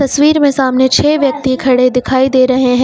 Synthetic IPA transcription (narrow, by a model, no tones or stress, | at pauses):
ɐsʋiːɾmẽsaːmnet͡ʃʰeːʋjɐk̚t̪ikʰɐɽed̪ɪkʰaːid̪eːɾɐɦeɦɛ̃